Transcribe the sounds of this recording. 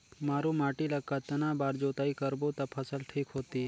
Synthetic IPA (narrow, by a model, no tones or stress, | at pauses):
maːɾumaːʈilɐɡkaːt̪ɐnãːbaːɾd͡ʒoːt̪aːikəɾbot̪ɐpʰəsəlʈʰiːkɦoːt̪iː